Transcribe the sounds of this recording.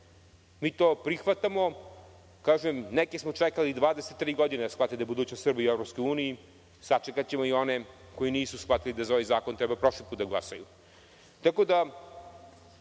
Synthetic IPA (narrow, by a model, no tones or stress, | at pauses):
miːt̪oːpɾixʋat̪amo̞ | kaːʒemnɛkesmo̞t͡ʂɛkalid̪ʋaːd̪eset̪ːɾiːɡod̪ineasxlat̪ed̪ajebud̪uːt͡ɕnost̪rbiievɾopskojuːniji | sat͡ʃekat͡ɕemoio̞ne | ko̞iniːsusxvat̪ilid̪azoʋejzaːkont̪ɾɛbapɾo̞ʂlipuːt̪̚d̪aɡlˠa̰saju | t̪ako̞d̪a